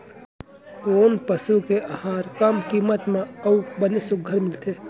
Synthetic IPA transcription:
koːnpəsukeʔahaːɾkɐmkiːmət̪mẽɐubɐnesʊɡʱəɾmɪlt̪ʰeː

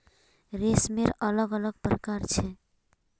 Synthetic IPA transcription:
ɾesmeɾələɡələɡ̚pɾəkaɾt͡ʃʰɛ

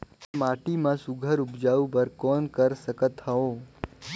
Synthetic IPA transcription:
maʈimãsuɡʱəɾubd͡ʒaũbəɾkɔnkəɾsəkət̪həo

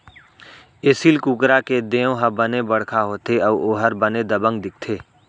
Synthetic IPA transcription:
eːsiːlkuːkɾaked̪ẽːõɦɐbənebɐɽ̤kʰaɦoːt̪ʰeɔːboːɦəɾbəned̪ɐbə̃ŋɡ̚d̪ɪk̚ʰt̪ʰeː

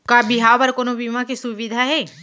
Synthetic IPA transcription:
kabiɦabɐɾkonobimãkisuʋid̪ʱaɦɛː

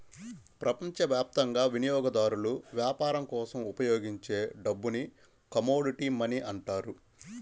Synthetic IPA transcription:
pɾɐpɐɲt͡ʃɐʋjaːp̚t̪ɐŋɡaːʋinijɔːɡɐd̪aːɾuluʋjaːpaːɾɐmkɔːsɐmupɐjoːɡiɲt͡ʃe̞ːɖɐbːuni | kɐmoːɽiʈiːmɐniʔɐɳʈaːɾu

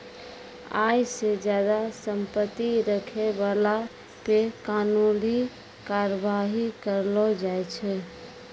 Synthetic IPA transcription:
a̰jsed͡ʒjad̪asəmpət̪ːiɾəkʰebala | pekanuli | kaɾəbaɦikəɾlɔd͡ʒajt͡ʃʰɛ

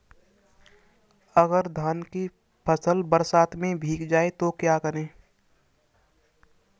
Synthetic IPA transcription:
əɡəɾd̪ʱaːnki | pʰəsəlbəɾsaːt̪mẽbʱiːkd͡ʒaːet̪okjakəɾẽː

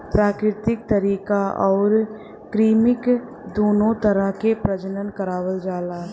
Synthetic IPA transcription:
pɾaːkɾɪt̪ɪk̚t̪ɐɾiːkaɔːɾ | kɾiːmɪk | d̪oːnõt̪ɐɾəɦkepɾəd͡ʒənənkɐɾaːwəld͡ʒaːlaː

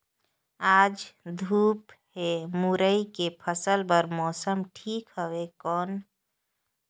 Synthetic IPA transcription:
ad͡ʒd̪ʱuːp | hemuɾəikepʰəsəlbəɾmɔːsəmʈʰiːkɦəwekɔːn

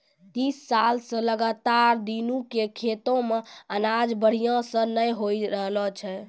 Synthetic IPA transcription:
t̪isːalsə̃ləɡat̪aɾd̪inukekʰet̪õmeənad͡ʒbəɽ̤ijãsə̃nəjɦojɾəɦlɔt͡ʃʰɛ

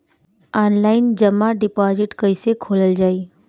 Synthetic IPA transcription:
aːnlaːɪnd͡ʒəmːaɖɪpad͡ʒɪʈkəisekʰoːləld͡ʒaːi

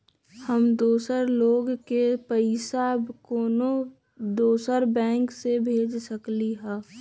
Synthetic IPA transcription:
həmd̪oːsəɾloːɡkepəɪsabkoːno | d̪oːsəɾbɛ̃ːŋksebʱeːd͡ʒsəkliɦɛː

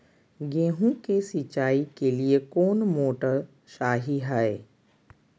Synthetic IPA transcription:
ɡẽːɦũkesɪt͡ʃaːikeliekoːnmoːʈə | ʃaːɦiɦɛe

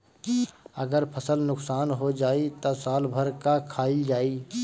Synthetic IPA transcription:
əɡəɾpʰəsəlnʊksaːnɦod͡ʒaːit̪osaːlbʱəɾkakʰaːid͡ʒaːi

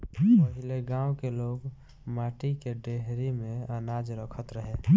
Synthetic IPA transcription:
pəɦileɡãwkeloɡ | maʈikeɖeɦɾimeənad͡ʒɾəkʰət̪ɾəɦe

